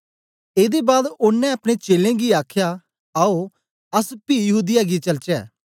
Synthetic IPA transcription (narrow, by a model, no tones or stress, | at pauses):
eːd̪ebaːd̪ʊnːɛ̃ɐpɽ̃et͡ʃeːlẽːɡiaːkʰja | aːo | əspiːjəɦuːd̪ɪjaɡit͡ʃɐlt͡ʃɛː